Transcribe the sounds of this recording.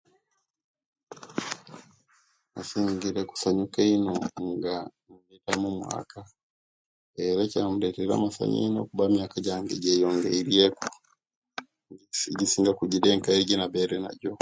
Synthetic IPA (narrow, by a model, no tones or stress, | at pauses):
asiŋɡiɾeku̥saɲukeinoŋɡanumletamumwa̰ka | eɾecaamuleteɾa̰masa̰ɲḭinokubamjakaɟaŋɡeɟejoŋɡeiɾieku̥ | ɟisiːŋɡakuɟideːŋkaiɟinabeɾena̰ɟo